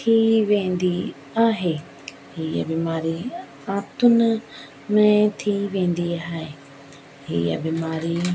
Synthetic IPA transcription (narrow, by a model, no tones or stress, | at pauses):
t̪ʰiʋẽnd̪i | aɦe | heja̰bimaːɾi | ãt̪unə | mɛ̃t̪ʰiːʋẽːnd̪iɦae | hḛja̰bimaːɾi